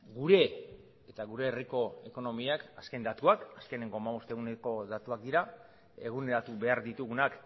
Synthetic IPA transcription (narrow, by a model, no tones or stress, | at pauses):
ɡuɾe̞ | et̪aɣuɾe̞ːriko̞e̞ko̞no̞miakaske̞nd̪at̪uakaske̞ne̞ŋɡo̞amaβ̞o̞st̪e̞ɣuneko̞ðat̪uak̚d̪iɾa | e̞̰ɣune̞ɾat̪uβe̞aɾd̪it̪uɣunak